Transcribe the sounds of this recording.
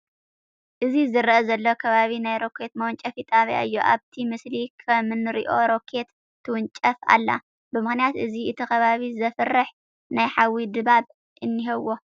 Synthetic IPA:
ʔɨzizɨɾʔɐzɐlːokʰɐβaβinajɾo̞kʰe̞t̪̚mɐwnt͡ʃʼɐfit̪ʼaβja̰ɨjːoʔa̰βt̪ʰimɨslikʰɐmɨnɨɾiʔo̞ɾo̞kʰe̞t̪ʰː | ɨwʊnt͡ʃʼɐfa̰lːa̰ | bɨmɨxnijat̪ʔɨziɨt̪ʰixɐβaβizɐfɨrːɨħ | najħawːid̪ɨβaβ | ʔɨnːiɦɐwːo̞

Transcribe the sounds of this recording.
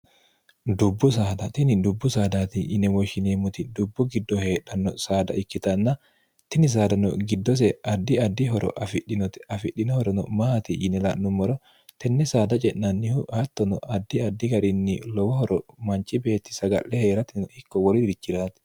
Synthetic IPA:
d̪ʊbːʊs̬aːd̪ɐt̪ɪnɪd̪ʊbːʊsaːd̪aːt̪ɪʔɪnɛwɔʃɪneːmʊt̪ɪd̪ʊbːʊɡɪd̪ːɔheːᶑɐnːɔsaːd̪ɐ̰ɪkːɪt̪ɐnːɐ | t̪ɪnɪs̬aːd̪ɐnɔ̰ɡɪd̪ːɔs̬ɛɐd̪ːɪɐd̪ːɪɦɔɾʔɔ̰ʔɐfɪᶑːɪnɔt̪ɐfɪɗɪnɔhɔɾɔnɔmaːt̪ɪʔɪnɛlaʔːʊmːɔɾɔ | t̪ɛnːɛsaːd̪ɐt͡ʃʼɛnːɐnːɪhʊhɐt̪ːɔnɔʔɐd̪ːɪɐd̪ːɪɡɐɾɪnːɪlɔwɔhɔɾɔmɐnt͡ʃɪbe̞ːt̪ːɪ̥sɐɡɐ̰ʔːɛhe̞ːɾɐt̪ɪnɔhɪkːɔwɔɾɪdɾɪt͡ʃːɪɾaːt̪ɪ̥

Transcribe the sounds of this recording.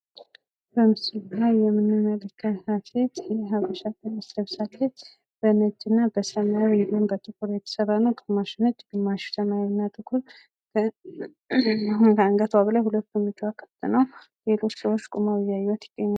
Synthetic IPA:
bəmɨsɨlblajjɛmːɨnːɨmːələkʰːəhafet̪jɛɦaβəʃat̪ənasləβsalːət͡ʃ | bənəd͡ʒːɨnːabəsəmawedunbət̪ʼɨkʰuɾjɛt̪ʰə̥səɾanəwk̪ʼɨmaʃɪnəd͡ʒɡ̥ɨmːaʃt̪ʰəmajnːat̪ʼɨkʰuɾʰ | kʰəaŋɡət̪ʰwaβəlajhulət̪ːumɨd͡ʒuwakʰə̥t̪ʰːɨnəw | le̞lo̞t͡ʃːsəwot͡ʃːkʼumawjajːwɔt̪ʰɪ̥ɡ̥ʼːəɲːa

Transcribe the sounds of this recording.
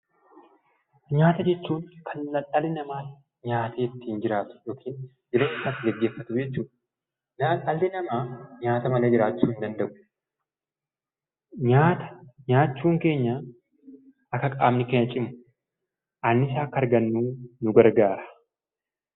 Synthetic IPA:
ɲaːt̪ɐd͡ʒɛt͡ʃːuːŋkʰɐnlɐɐlɪnɐmaː | ɲaːt̪ʰeːɪt̪ːiːnd͡ʒɪɾaːt̪ʊ̥jo̞ːkʰiːn | d͡ʒɪɾeːɪsaːt̪ːɪɡɛɡːeːfːɐt̪ʊd͡ʒɛt͡ʃːuːᶑɐ | naɐlːɪnɐmaːɲaːt̪ɐmɐleːd͡ʒɪɾaːt͡ʃːuːɪnd̪ɐnd̪ɐʔʊ̥ | ɲaːt̪ɐ̥ɲaːt͡ʃːuːŋke̞ːɲːɐ | ʔɐkːɐkʼa̰ːmnɪkeːɲːɐt͡ʃʼɪmʊ | ʔɐnːɪs̬aːkːɐɾɡɐnːuːnʊɡɐɾɡaːɾɐ̥

